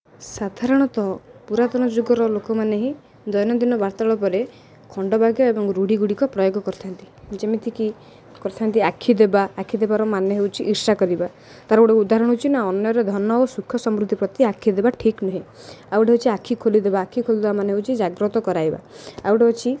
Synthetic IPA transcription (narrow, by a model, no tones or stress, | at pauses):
sad̪ʱaɾɔɽ̃ɔt̪ɔpuɾat̪ɔñɔd͡ʒuɡɔɾɔlokɔmaneɦĩ | d̪ɔjnɔd̪inɔbaɾt̪aɭɔp̬ɔɾe | kʰɔɳɖɔbʱaɡjɔebɔŋɾuɽiɡuɽikɔpɾɔjoɡɔkɔɾt̪ʰant̪i̥d͡ʒemit̪ʰiki | kɔɾt̪ʰant̪iakʰid̪ebaːkʰid̪ebaɾɔmanjɔɦewt͡ʃʰiʔːɾsakɔɾiba | t̪aɾɔuɽeud̪aɦɾɔɽ̃ɦot͡ʃʰinaɔnjɔɾed̪ʱɔnɔosukʰːjɔsɔmɾud̪ʱːipɾɔt̪iakʰid̪ebaʈʰiknɔɦĩ | auɽeɦot͡ʃʰiakʰikʰolid̪ebaːkʰikʰolid̪ebamaneɦewt͡ʃʰid͡ʒaɡɾɔt̪ɔkɔɾaiba̰awʈeɦot͡ʃʰi